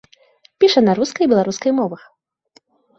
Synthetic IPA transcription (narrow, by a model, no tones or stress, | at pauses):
pʲiʂɐnɐɾuskɐjbʲɛlˠaɾuskɐjmɔvɐx